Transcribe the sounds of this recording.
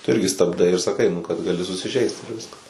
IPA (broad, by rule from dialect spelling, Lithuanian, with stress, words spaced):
tʊ ˈɪrʲɡʲɪ stɐbˈdɐɪ ɪr sɐˈkɐɪ nʊ kɐt ɡɐˈlʲɪ sʊsʲɪˈʒʲɛɪst ɪr ˈʋʲɪskɐs